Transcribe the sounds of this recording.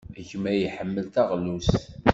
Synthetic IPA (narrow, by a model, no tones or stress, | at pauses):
æʝmæjiħəmːəlt̪æʁlus